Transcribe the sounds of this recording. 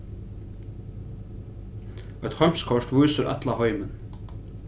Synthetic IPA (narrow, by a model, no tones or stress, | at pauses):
œt̪hœjm̥skʰɔʂt̪vujsʏɾʔa̰t̪laɦɔːjmɪn